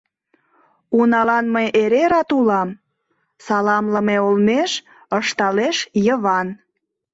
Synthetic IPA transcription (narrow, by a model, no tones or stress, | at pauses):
unɑlɑnməjʔeɾeɾɑt̪ulɑm | sɑlɑmləmeolmeʃ | əʃt̪ɑleʃjəβɑn